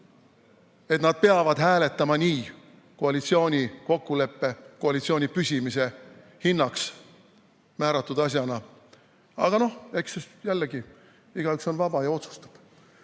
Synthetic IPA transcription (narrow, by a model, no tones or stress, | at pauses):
et̪nɑd̪̥̚pe̞ɑvɑd̪̥ɦæːle̞t̪ːˑɑmɑniː | ko̞ɑlit̪sio̞ːnʲiko̞kːule̞pːe̞ko̞ɑlit̪sio̞nʲipysʲimise̞ | hinːɑks | mæːɾɑt̪ːud̪̥ɑs̬jɑnɑ | ɑ̰ɡ̥ɑno̞heksesjælːeɡi | iɡ̥ɑykso̞nvɑb̥ɑjɑo̞t̪su̥st̪ɑ̥b̥